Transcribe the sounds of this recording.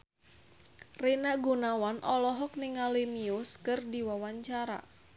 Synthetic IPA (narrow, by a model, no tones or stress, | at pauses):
renaɡunawanʔɔlɔɦɔk̚nɪŋalimiʊskɨrdiwawaɲt͡ʃaɾa̰